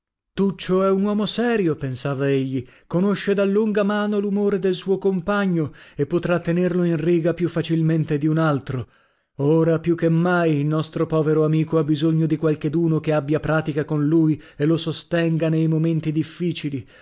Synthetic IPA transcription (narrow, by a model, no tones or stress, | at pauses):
t̪ut͡ʃːoɛunwɔːmosɛːɾjopensaːvaeʎːi | konoʃːed̪alːuŋɡamaːnolumoːɾed̪elsuːokompaɲːoepːot̪ɾat̪ːenerloinriːɡapjufːat͡ʃilment̪ed̪iunalt̪ɾo | oːɾapjukːemːajilnɔst̪ɾopɔːveɾoamiːkoabːizoɲːod̪ikwalked̪uːnokeabːjapɾaːt̪ikakonlujelosost̪ɛŋɡanejmoment̪id̪ifːiːt͡ʃili